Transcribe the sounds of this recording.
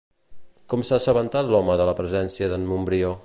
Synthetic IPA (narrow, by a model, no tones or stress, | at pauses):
kɔmsasəβənt̪at̪lɔməðələpɾəzɛnsiəðənmumbɾio